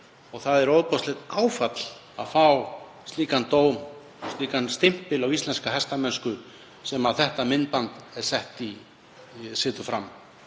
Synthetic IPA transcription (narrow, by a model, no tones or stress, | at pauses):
ɔɣθaðɛɾowðpɔst̪lɪt̪aːwfat̪l̥ | aðfaw | st̪liːkant̪oːwm | st̪liːkanst̪ɪm̥pɪlawist̪lɛnskaɦɛst̪amɛnskʏ | sɛmaðθɛht̪amɪnːpant̪ɛɾ̥sɛht̪i | sɪːt̪ʏfɾam